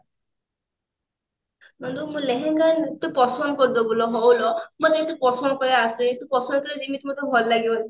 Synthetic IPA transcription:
nɔnd̪umũleɦɛŋkaɾnt̪upɔsɔnkɔɾd̪ɔbulɔɦɔwlɔmɔt̪et̪upɔsɔnɔkɔɾeasit̪upɔsɔnkɔɾed͡ʒimit̪imɔt̪ɔbʱɔllaɡibɔn

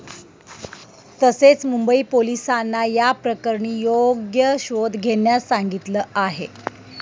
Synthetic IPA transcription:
t̪əset͡smumbəiːpolisanːajapɾəkəɾɳiːjoɡjəɕod̪ɡʱeɳjasaŋɡit̪ləːaɦḛ

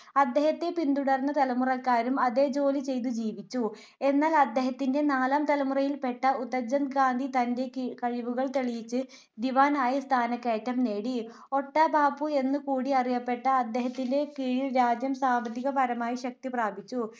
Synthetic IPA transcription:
ɐd̪ːe̞ːhɐt̪ːepind̪uɽɐrnːɐt̪ɐlɐmurɐkːaːɾumɐðe̞ːd͡ʑo̞ːlit͡ɕe̞jt̪̬ud͡ʑiːʋit͡ɕːu | e̞nːaːlɐd̪ːe̞ːɦɐt̪ːinde̞naːlaːmt̪ɐlɐmurɐjilpe̞ʈːɐut̪ːɐd͡ʑɐnd̪ɡaːnd̪ʱit̪ɐnde̞kɐɻiʋuɣɐɭt̪eɭijit͡ɕːɨ | d̪iʋaːnaːjɐst̪ʰaːnɐkːeːtːɐmne̞ːɽi | o̞ʈːɐbʱaːpue̞nːɨkuːɽiɐrijɐpːe̞ʈːɐːd̪ːe̞ːɦɐt̪ːinde̞kiːɻilɾaːd͡ʑjɐmsaːmbʱɐt̪ːiɣɐpɐɾɐmaːjiɕɐk̚t̪ipraːbʱit͡ɕːu

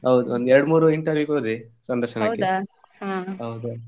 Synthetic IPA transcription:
ɦɐwd̪uond̪uɛɾɽmuːɾuiɳʈɐɾʋjuːkoːd̪isɐnd̪ɐɾʃɐnɐkːe | aɦɐwd̪u

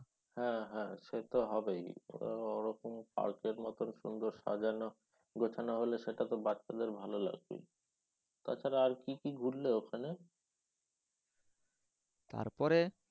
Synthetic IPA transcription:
hɛ̃ɦɛ̃ʃet̪oɦɔbej̰ɔɾɔkompa̰ɾkeɾmɔt̪onʃund̪oɾʃa̰d͡ʑano | ɡʱot͡ɕʰanoɦoleʃeʈat̪obat̪ːʃad̪eɾbʱalola̰ɡ̚bḛ | t̪a̰t͡ɕʰaɾaaɾkikiɡʱuɾleokʰane | t̪a̰ɾpɔɾe

